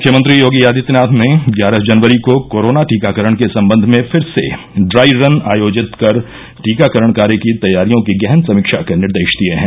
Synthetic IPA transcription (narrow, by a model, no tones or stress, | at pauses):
mʊkʰjəmɐ̃nt̪̬ɾijoːɡijaːd̪ɪt̪naːt̪ʰneɡjaːɾəsd͡ʒɐnʋəɾikokoːɾoːnaʈiːkakəɾəɽ̃kesɐ̃mbə̃nd̪ʱmẽfʰɪɾsḛ | ɖɾaːiɾɐnaːjoːd͡ʒɪt̪kɐɾ | ʈiːkakəɾəɳkaːɾjekit̪ɐjːaːɾijõkiɡɛɦnsɐmɪkʃakenɪɾd̪eːʃd̪ieɦɛ̃ː